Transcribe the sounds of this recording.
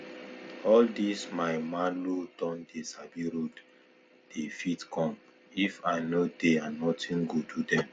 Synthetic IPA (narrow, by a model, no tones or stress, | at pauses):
ɔldismaɪmalodɔ̃ndesabiɾod | d̥efitkɔ̃m | ifanodeãnːɔtʰĩnɡodudɛ̃m